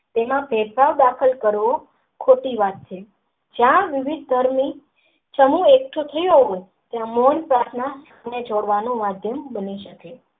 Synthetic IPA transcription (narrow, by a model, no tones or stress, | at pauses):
t̪emãpeɾpaʋd̪akʰəlkəɾʋo | kʰoʈiʋat̪̚t͡ʃʰe | d͡ʒjãʋɪʋid̪̚ʱd̪ʱəɾmi | t͡ʃəmuek̚ʈ̪ʰut̪ʰəjũɦoje | t̪jãmonpɾat̪ʰnasʰ | əned͡ʒoɽʋanũmad̪ʱjəmbəniʃəke